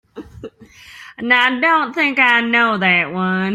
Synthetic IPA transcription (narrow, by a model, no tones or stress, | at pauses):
naɪdõʊ̃nθɪ̃ŋkaɪnoʊðɨt̚wʌ̃n